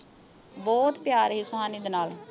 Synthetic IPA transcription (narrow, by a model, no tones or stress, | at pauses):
bɔːt̪pjaːɾɦiːsʊɦaːniːd̪enaːl